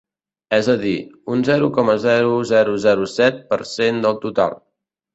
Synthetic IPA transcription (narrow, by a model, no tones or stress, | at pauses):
ɛzəðiunzɛɾukɔməzɛɾuzɛɾuzɛɾusɛt̪̚pəɾsend̪əlˠt̪ut̪a̰lˠ